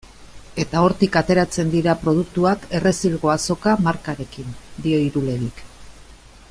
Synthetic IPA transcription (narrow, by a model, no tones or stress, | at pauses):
e̞t̪ao̞ɾt̪ikat̪e̞ɾat͡se̞nd̪iɾapɾo̞ð̞uk̚t̪uake̞re̞silɣo̞aso̞kamaɾkaɾe̞kind̪io̞iɾule̞ɾik